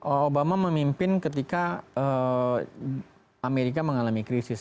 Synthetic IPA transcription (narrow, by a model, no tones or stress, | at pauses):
ʔoobamaməmimpɪnkət̪ikaə | ameɾik̬aməŋalamikɾisɪs